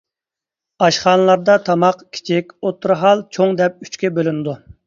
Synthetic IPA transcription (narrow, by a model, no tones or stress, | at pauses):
ɑʃχɑːnəlˠɑɾd̪ɑt̪ʰɑmɑqkʲʰi̥t͡ʃʰɪkʲot̪ʰːuɾɦɑlˠt͡ʃʰoŋd̪ɛp̚y̥t͡ʃkʲɛbølynɪd̪u